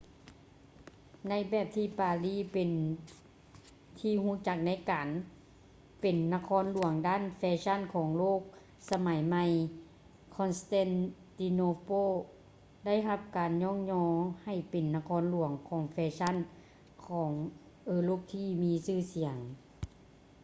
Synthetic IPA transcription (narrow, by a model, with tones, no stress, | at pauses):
na˧˥jbɛː˧˩p̚t̪ʰiː˧˩paː˨˩liː˧˥˨pe˨n | t̪ʰiː˧huː˧˥˨t͡ɕa˧˩k̚na˧˥jkaː˨n | pe˨nːa˧kʰɔː˧˥nlu˨˩˦əŋdaː˧˥˨nfɛː˧˥t͡ɕʰa˧˥˨nkʰɔː˨˦ŋloː˥˨k̚ | sa˧ma˨˩˦jma˧j | kʰɔ˧nst̪ɛː˧˥˨nt̪i˧noː˧poː˧˥˨ | da˥˩˨jɦa˧p̚kaː˨nɲɔː˧˥ŋɲɔː˧ha˧˩jpe˨nːa˧kʰɔː˧˥nlu˨˩˦əŋkʰɔː˨˦ŋfɛː˧sʰa˧˥˨n | kʰɔː˩˦ŋ | ʔɤː˧˩loː˧˥˩k̚t̪ʰiː˧miː˧sɯː˧˥˨si˨˩˦əŋ